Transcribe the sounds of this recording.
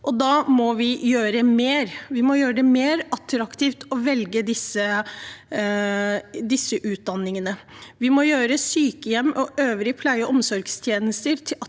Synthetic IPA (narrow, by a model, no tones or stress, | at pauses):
ʔɔd̪ɑːmɔʋɪjøːɾəmeːɾʋɪmɔjøːɾəd̪ɛmeːɾɑt̪ʰːɾɑkt̪ʰiːft̪ɔʋɛlɡəd̪ɪsːə | d̪ɪsːəʔʉːt̪̚d̪ɑnːɪŋənə | ʋɪmɔjøːɾəsyːkəjɛmːʔɔʔøːʋəɾɪpʰlæɪəʔɔmsɔɾɡst̪ʰjeːnəst̪əɾt̪ʰɪ